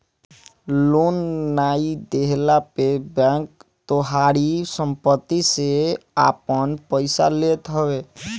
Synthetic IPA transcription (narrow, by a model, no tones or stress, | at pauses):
lonːaid̪eɦlapebɛ̃ŋkt̪oɦaɾisəmpət̪ːisea̰pənpəɪsa̰let̪ɦəbe